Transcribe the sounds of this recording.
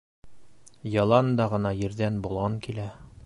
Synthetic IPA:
jɒlˠɑnd̪ɑʁɤ̆nɑjɘ̆ɾd̪ænbulˠʁɑŋkilæ

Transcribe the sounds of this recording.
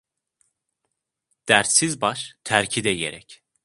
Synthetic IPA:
d̪̥æɾt̪sizbɑʃt̪ʰæɾcʰid̪ɛjḛɾɛc

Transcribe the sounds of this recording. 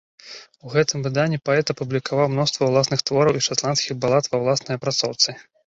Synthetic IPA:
uɣɛt̪ɨmvɨd̪anʲːipaɛt̪ɐpublʲikavawmnɔst̪vɐwlˠasnɨxt̪vɔɾɐwiʂat̪lˠanskʲiɣbalˠat̪vɐwlˠasnɨjɐpɾat̪sɔwt̪sɨ

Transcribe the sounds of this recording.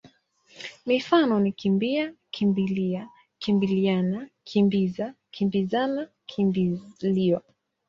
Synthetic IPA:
mifanɔnikimbiakʰimbilia | kimbilianakʰimbiza | kʰimbizana | kʰimbiliwa

